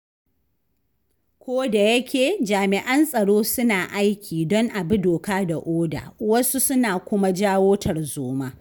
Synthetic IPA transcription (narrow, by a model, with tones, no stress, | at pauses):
kʷoː˦da˨jɐ˦kʲeː˨d͡ʒaː˨mɪ˨ʔɐ˦nsʼɐ˨ɽoː˦sʊ˦naː˨ʔa˦jkʲʰiː˨dɔ˦ŋʔa˨bu˦doː˨kaː˦da˨ʔoː˦da̰ː˨wɐ˦su˦sʊ˦naː˨kʷʊ˦ma˦d͡ʒaː˦woː˦tʰɐ˨rzoː˦maː˦